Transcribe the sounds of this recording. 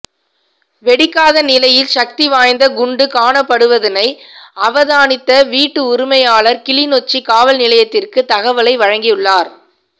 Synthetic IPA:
ʋɛɽɪkːaːðɐnɪlɐjɪlʃɐk̚t̪iʋaːjnd̪ɐɡʊɳɖɯkaːɳɐpːɐɽɯʋɐðɪnɐɪɐʋɐðaːnɪt̪ːɐʋiːʈːɯʊɾɪmɐjaːɭɐɾkɪɭɪnɔt͡ʃːikaːʋɐlnɪlɐjɐt̪ːɪrkɯt̪ɐɣɐʋɐlɐɪʋɐɻɐŋɡɪjɯɭːaːɾ

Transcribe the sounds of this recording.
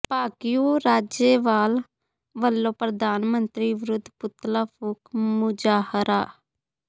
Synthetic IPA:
paːkijuːɾaːd͡ʒeːʋaːl | ʋəlːoːpɾəd̪ʱaːnmənt̪ɾiːʋɪɾʊd̪ʱpʊt̪laːpʊkmʊd͡ʒaːhəɾaː

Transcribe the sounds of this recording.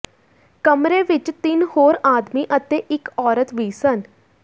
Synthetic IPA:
kəmɾeːʋɪt͡ʃt̪ɪnhoːɾaːd̪miːʔət̪eːʔɪkɔːɾət̪ʋiːsən

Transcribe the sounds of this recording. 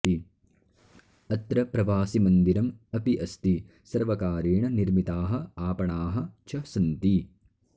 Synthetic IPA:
i | ɐt̪ɾɐpɾɐʋaːsimɐnd̪iɾɐmɐpiʔɐst̪i | sɐɾʋɐkaːɾeːɳɐniɾmit̪aːɦɐ̆aːpɐɳaːɦɐ̆t͡ʃʰɐsɐnt̪i

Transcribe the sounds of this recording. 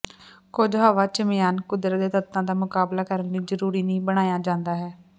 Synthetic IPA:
koːd͡ʒɦaːʋaːt͡ʃəmɪjaːnkʊd̪ɾəd̪eːt̪ət̪ːãːd̪aːmʊkaːblaːkəɾənːiːzəɾuːɾiːniːbəɽ̃aːjaːd͡ʒãːnd̪aːɦɛː

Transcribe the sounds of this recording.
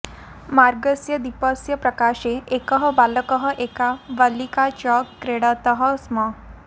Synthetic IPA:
maɾɡəsjəd̪ipəsjəpɾəkaɕeʔekəɦəbaləkəɦəʔekaʋəlikat͡ɕɔkːɾeɽat̪əɦəsmə

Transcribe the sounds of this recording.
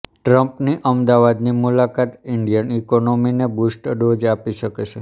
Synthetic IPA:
ʈɾəmpniʔəmd̪aʋad̪nimulakat̪ɪɳɖijənikonominebusʈəɖod͡ʒapiʃəket͡ʃʰe

